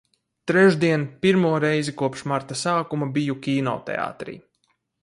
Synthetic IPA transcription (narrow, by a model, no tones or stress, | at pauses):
t̪ɾɛʒd̪iɛnpiɾmuɔɾɛjzikuɔpʃmaɾt̪asaːkumabijukʲiːnɔ̰t̪ɛ̰a̰ːt̪ɾḭː